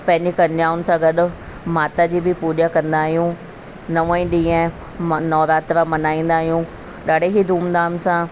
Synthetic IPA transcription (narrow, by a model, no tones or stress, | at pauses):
pɐ̃ɦɪ̃ɲd͡ʑikɐnaːʊnsãɡɐɗʊ̆ | maːt̪ad͡ʑiːbɪpuːʄakɐ̃nd̪aːɦijũ | nɐʋãĩɗĩːẽ | nɔːɾaːt̪ɾamɐnaːĩːn̆d̪aːɦijũ | ɗaːɽ̤ʱeɦid̪ʱuːmd̪aːnsã